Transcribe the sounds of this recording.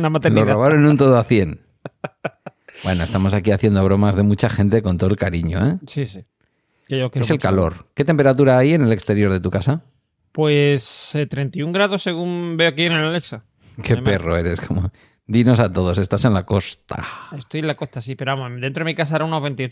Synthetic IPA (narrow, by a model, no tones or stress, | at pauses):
namat̪eloraβaɾonũnt̪oðoaθje̞n | bwe̞no̞e̞st̪amo̞sakiaθje̞nd̪oβ̞ɾo̞mazðe̞mut͡ʃaxẽ̞nt̪e̞ko̞nt̪o̞oelkaɾiɲo̞̰esisi | keokeselkalo̞ɾke̞t̪e̞mpe̞ɾat̪uɾaaje̞ne̞lekst̪e̞ɾjo̞ɾðe̞t̪ukasa | pweset̪ɾe̞nt̪iuŋɡɾaðose̞ɣumbe̞okienelaleksa | ke̞pe̞roe̞ɾe̞skʰo̞mo | d̪ino̞sat̪o̞ð̞o̞se̞st̪asenlako̞st̪a̰est̪ojẽnlako̞st̪asipeɾoamod̪ent̪ɾoemikas̬aɾauno̞ɦβe̞nt̪io